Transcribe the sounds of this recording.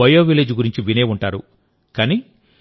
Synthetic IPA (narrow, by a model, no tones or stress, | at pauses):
ɐjoːʋileːd͡ʒɡuɾiɲt͡ʃiʋineːuɳʈaːɾu | kaːni